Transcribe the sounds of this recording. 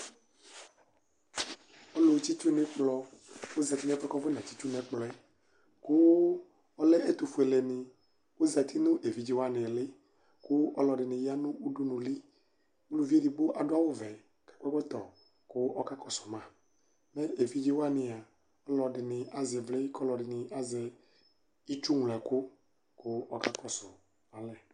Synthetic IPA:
ɔ˦lo˨˦t͡ʃi˦t͡ʃu˦nẽ˨k͡plɔ˨wo˦zɛ˨t̪i˦nɛ̃˦fɛ˦kɔ˦ve˦nã˨t͡ɕi˦t͡ʃu˦nɛ̃˨k͡plɔ˨ɛ˦ | ko˦ | ɔ˦lɛ˦ʔe˦t̪u˨fu˨e˨le˨nɪ̃˨ | wo˦zɛ˨t̪ʰi˦nũ˦ʔe˨vi˦d͡ʒi˦wa˦nɪ̃˨le˦ | kʊ˦ʔɔ˦lɔ˨ɖɪ˨nɪ̃˨ja˦nũ˦u˦ɖu˦nũ˨li˦ | u˦lu˦vi˦e˦di˨ɡ͡bo˦ʔa˨ɖʊ˦a˦wo˦vɛ˨ | kɛ̥˨kɛ˦ɡ͡bɔ˦t̪ɔ˨ | kʊ˦ʔɔ˦ka˦kɔ˨sʊ˨mã˦˨ | nɛ˦e˨vi˦d͡ʒi˦wa˦nɪ̃˨a˨ | ɔ˦lɔ˨dɪ˨nɪ̃˨ʔa˨zɛ˨vle˦i˦kɔ˦lɔ˨ɖɪ˨nɪ˨a˨zɛ˨ | i˦t͡ʃu˦ŋ˨lɛ˨kʊ˦ | kʊ˦ɔ˦ka˦kɔ˨sʊ˨ | a˨lɛ˨

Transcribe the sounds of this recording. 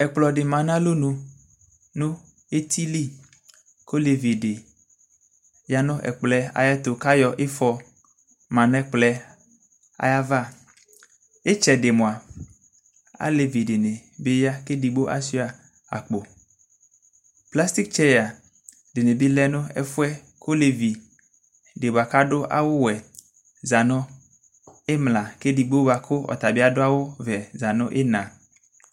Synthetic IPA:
ɛ˨k͡plɔ˨ɖe˨mã˨nã˦lo˦nũ˨ | nũ˦ | e˦t̪ʰi˦li˦ | ko˦le˨vi˨de˨ | ja˦nʊ̃˦ʔɛ̰˨k͡plɛ˦a̰˨ja˦t̪o˨ka˦jɔ˨ʔe˦fɔ˦ | mã˨nɛ̃˦k͡plɛ˦ | a̰˦ja˦va˦ | e˦t͡ʃɛ˨de˨mõ˨a˨ | a̰˦le˨vi˨ɖe˨ne˨be˦ja˦ke˦di˨ɡ͡bo˦ʔa̰˦si˦a˨ | a̰˨k͡po˨ | pla˦st̪i˦k̚t͡ʃɛ˦ja˨ | de˨ne˨bi˦lɛ˦nʊ̃˦ɛ̰˦fʊ˦ɛ˦ | ko˦le˨vi˨ | de˨ba˨ka˦ɖʊ˦ʔa̰˨wo˦wɛ˨ | za˨nʊ̃˦ | e˦mla˨ke˦di˨ɡ͡bo˦ba˨kʰo˦ɔ̰˨t̪a˨bi˦a˦dʊ˦a˦wo˦vɛ˨za˨nʊ̰̃˦ʔe˦nã˨

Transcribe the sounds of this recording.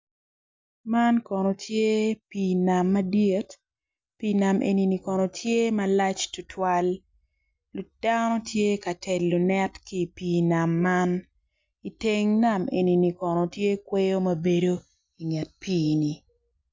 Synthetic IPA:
ma˦nkɔ˨nɔ˨tʰje˦pi˨na˨mːɐ˦dje˦t | pina˨mʔḛ˨ni˨ni˨kɔ˨nɔ˨tʰje˦ma˨la˦t͡ʃtʊ˦tʰwa˦lː | u˨d̥anɔ˦tʰje˦ka˨tʰɛ˨lːu˨nɛ˦tki˦˨pi˨na˨mːan | i˨te˦ŋna˨me˨ni˨ni˨kɔ˨nɔ˨tje˦kwe˦jo˦mɐ˦be˦do˦ | i˨ŋɛ˨t̚piː˦ni˨

